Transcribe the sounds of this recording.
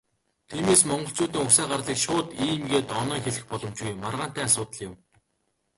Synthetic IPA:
t̪ʰiːmeːsmɔɴɢɞ̆ɬt͡suːt̪̬iːŋʊksæːɢarɮiːkʃʊːt̪iːmɡeːt̪ɔnœːxeɮɘ̆xpɔɮɞ̆mt͡ɕɡujmːarʁaːn̥t̪æːasʊːt̪ə̆ɮjɪ̆m

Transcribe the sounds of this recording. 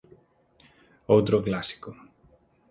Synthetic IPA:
owt̪ɾoklasi̥ko

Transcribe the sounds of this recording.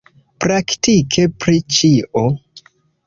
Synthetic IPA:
pɾaktikʰe̞pɾit͡ʃiʔo

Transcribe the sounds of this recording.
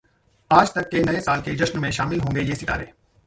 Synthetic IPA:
aːd͡ʒt̪əkːeːnəẽːsaːlkeːd͡ʒəʃənmẽːʃaːmɪlɦõːŋɡeːd͡ʒeːsɪʈa̰ːɾeː

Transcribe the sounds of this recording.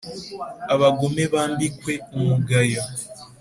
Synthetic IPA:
aβaɡumeβaːmbikwe̞umuɡajo

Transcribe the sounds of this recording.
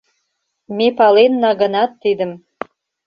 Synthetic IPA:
mepɑlenːɑɣə̆nɑt̪ːid̪ə̆m

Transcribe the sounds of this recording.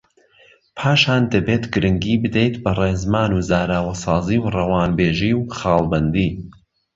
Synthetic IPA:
pʰaːʃaːnd̪ɐbeːt̪ɡɨɾɨŋɡiːbɨd̪ejt̪bɐreːzmaːnuzaːɾaːwɐsɑːziːwrɐwaːnbeːʒiwχɑːlˠbɐnd̪iː

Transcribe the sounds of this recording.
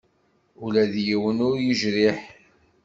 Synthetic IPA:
ulæðjiwənʊɾjuʒɾiħ

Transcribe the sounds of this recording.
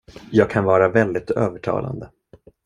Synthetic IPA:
jɑːɡ̚kʰanvɑːɾavɛld̪ɪt̪øːvəʈʰɑ̰ːla̰nd̪ə

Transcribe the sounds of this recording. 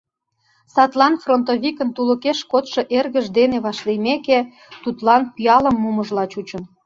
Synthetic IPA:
sɑt̪lɑnfront̪oβikə̆nt̪ulə̆keʃkot̪ʃɤ̆ʔerɣə̆ʒd̪eneβɑʃlemeke | t̪ut̪lɑnpiɑlə̆mːuməʒlɑt͡ɕut͡ɕə̆n

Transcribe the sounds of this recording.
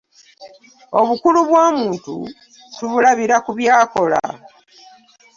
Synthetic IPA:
o̞βukuluβwaːmuːntṵ | tuβulaβiɾakuβjaːko̞la̰

